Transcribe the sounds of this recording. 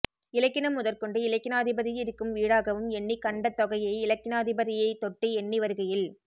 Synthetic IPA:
ɪlɐkːɪnɐmːʊðɐɾkɔɳɖɯɪlɐkːɪnaːðɪbɐðɪjɪɾɯkːɯmʋiːɽaːɣɐʋɯmɛɳːikɐɳɖɐt̪ːɔɣɐjɐɪɪlɐkːɪnɐːðɪbɐðɪjɐɪt̪ɔʈːiɛɳːiʋɐɾɯɣɐjɪl

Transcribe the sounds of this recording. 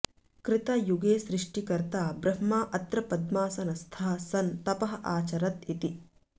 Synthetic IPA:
kɾɪt̪ɐjuɡeːsɾɪʂʈikɐɾt̪aːbɾɐɦmaːʔɐt̪ɾɐpɐd̪maːsɐnɐst̪ʰɐɦɐsɐnt̪ɐpɐɦɐʔaːt͡ʃɐɾɐt̪it̪i

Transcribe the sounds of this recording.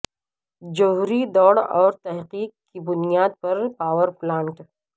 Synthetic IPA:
d͡ʒɐɦuɾid̪ɔːɽɔːɾt̪ɐɦqiːqkːibʊnijaːd̪̚pɐɾpaːwəɾplãːɳʈ

